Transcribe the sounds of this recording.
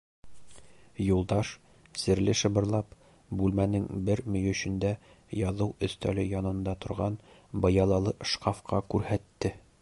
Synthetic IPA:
julˠd̪ɑʃ | sɘ̆ɾlɘʃɤ̆bɤ̆ɾlˠɑp | bʉlmænɘŋbɘɾmɵ̆jɵ̆ɕɵ̆nd̪æ | jɒðɤwɵ̆st̪ælɘjɒnɤ̆nd̪ɑt̪ŏɾʁɑn | bɤ̆jɑlˠɑlˠɤʃqɑfqʰɑkʉɾhæt̪ːɘ

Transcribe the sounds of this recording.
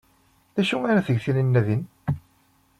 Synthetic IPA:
ðæʃuæɾæθəʝθininːæðin

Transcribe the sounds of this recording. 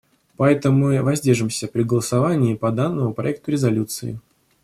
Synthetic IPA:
pɐɛt̪əʊmːɨvɐzʲdʲerʐɨmsʲəpɾʲɪɡəlˠəsɐvanʲɪːpɐd̪anːəmʊpɾɐ̰ɛk̚t̪ʊɾʲɪzɐlʲut̪sɨɪ̰

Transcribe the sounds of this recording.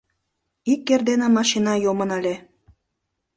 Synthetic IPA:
ikːerd̪enĕmɑʃinɑjomə̆nɑlʲe

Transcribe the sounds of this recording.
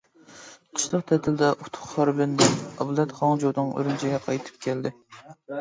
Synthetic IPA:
t̪ʰʊ̥ʃlˠəq̚t̪ʰɛt̪ʰɪld̪ɛʔut̪ʰːʊ̥χhɑɾbɪnd̪ɛɑblˠɛt̪χɑŋd͡ʒod̪ɨŋø̰ɾynt͡ʃʰiɡʲɛqʰɑjt̪ʰɨ̥p̚kʲʰɛld̪ɪ

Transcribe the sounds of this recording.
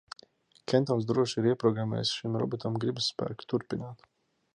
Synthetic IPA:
kʰʲɛnt̪ansd̪ɾuɔʃiɾiɛpɾɔɡɾamɛ̰ːjsʃimɾɔ̰bɔt̪amɡɾibsːpæ̰ːkt̪uɾpinaːt̪

